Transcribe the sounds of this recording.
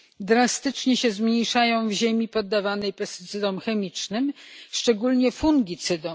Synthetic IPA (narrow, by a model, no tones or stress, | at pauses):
d̪ɾast̪ɘt͡ʂɲɛɕɛzmɲejʂajɔ̃w̃vʑemʲipɔd̪ːavanɛjpɛst̪ɘ̥t̪sɘd̪ɔmxɛmʲit͡ʂnɘmʂt͡ʂɛɡulɲɛfuŋɡʲit̪sɘd̪ɔm